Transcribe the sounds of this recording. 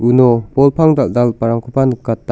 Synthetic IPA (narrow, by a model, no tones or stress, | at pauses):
unɔpɔlpʰaŋdaldalpaɾaŋkʰupanɯkːat̪ːa